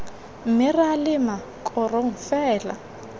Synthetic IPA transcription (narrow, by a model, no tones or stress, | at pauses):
m̩mɪralɪma | kʰʼɔrɔŋ̩fɛːla̰